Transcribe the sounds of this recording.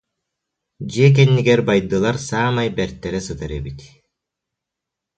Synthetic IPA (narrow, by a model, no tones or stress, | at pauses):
d͡ʒiɛk̬ɛnːiɡɛɾbajd̪ɯlˠaɾsaːmajbɛɾt̪ːɛɾɛsɯt̪ɯɾɛbit̪ʲ